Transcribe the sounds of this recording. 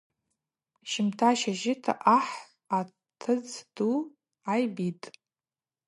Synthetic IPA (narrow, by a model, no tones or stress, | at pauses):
ʃɪmtʰaʃaʒɪtʰa̰ʔaħ | a | tʰɨd͡zdu | ajbitʼ